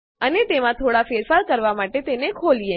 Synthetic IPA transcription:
ənet̪emãt̪ʰoɽafeɾfaɾkəɾʋamaʈet̪enekʰolije

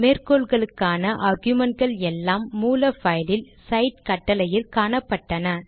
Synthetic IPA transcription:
meːrkoːlɣɐɭɯkːaːnɐʔaːɾɡjʊmɛɳʈ̚ɡɐɭɛlːaːmːuːlɐfɐjlɪl | sɐɪʈ̚kɐʈːɐlɐjɪlkaːnɐpːɐʈːɐnɐ

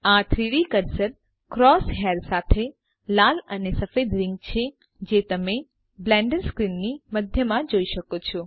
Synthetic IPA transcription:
ãt̪ʰɾiɽikəɾsəɾ | kɾɔsɦaɾsat̪ʰe | lalənesəfed̪ɾɪŋɡ̚t͡ʃʰe | d͡ʒet̪əme | blɛ̃ɳɖəɾskɾinːiməd̪ʱjəmãd͡ʒoiʃəkot͡ʃʰɔ

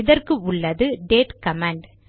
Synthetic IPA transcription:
ɪðɐrkɯʊɭːɐðɯɖeːʈkɐmaːɳɖ

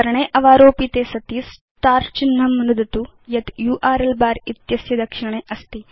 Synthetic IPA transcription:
ɐɾɐɳeːʔɐʋaːɾoːpit̪eːsɐt̪is | t̪aːɾt͡ʃinːɐmnud̪ɐt̪ujɐt̪juːʔaːɾelbaːɾit̪jɐsjɐd̪ɐkʂɪɳeːʔɐst̪i

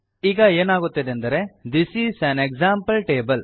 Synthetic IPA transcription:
iːɡɐeːnaːɡut̪ːɐd̪eɐnd̪ɐɾed̪isiːsɐ̃neɡzãːmpɐlʈeːbɐl

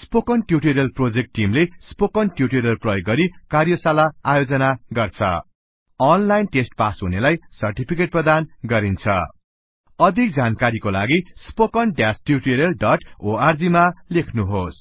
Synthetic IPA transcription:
spokʌnʈjuʈeɾjʌlprod͡zek̚ʈːimlespokʌnʈjuʈeɾjʌlprʌjoɡːʌɾikarjʌsalaajod͡zʌnaɡʌrt͡sʰʌ̰ | ʌnlajnʈesʈpasɦunelajsʌrʈipʰikeʈ̚prʌd̪anɡʌɾint͡sʰʌ̰ | ʌd̪ʱik̚d͡zankaɾikolaɡispokʌnɖjasʈjuʈeɾjʌlɖʌʈoard͡zimalekʰnuɦos

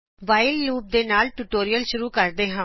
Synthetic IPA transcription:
ʋaːɪlːuːp̚d̪eːnaːlʈuʈoːɾijəlʃʊɾuːkəɾd̪eːɦãː

